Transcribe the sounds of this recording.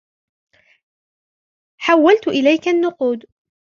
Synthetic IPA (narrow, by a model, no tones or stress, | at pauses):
ħawːalt̪ʊʔɪlajkanːʊquːd̪